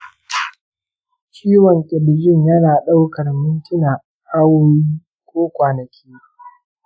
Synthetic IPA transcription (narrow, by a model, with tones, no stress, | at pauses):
t͡ʃiː˦wɔ˨ŋkʲʼɪ˨bɪ˨d͡ʒɪ˦ɲjɐ˦naː˨ɗa˦wkɐ˨rmʊ˦ntɪ˦naː˨ | ʔa˦woː˦jiː˦ | kʷoː˦kʷaː˨nɐ˨kʲʰiː˦